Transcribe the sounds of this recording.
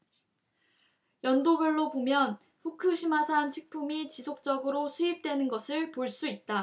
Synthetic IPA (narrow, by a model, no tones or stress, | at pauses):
jʌndoɡjʌɭːobomjʌn | ɸukʰɯɕʰimasʰant͡ɕʰi̥k̚pʰumit͡ɕisʰok̚t͡ɕ͈ʌɡɯɾosʰuip̚t͈we̞nɯnɡʌsʰɯɭpoɭs͈uit̚t͈a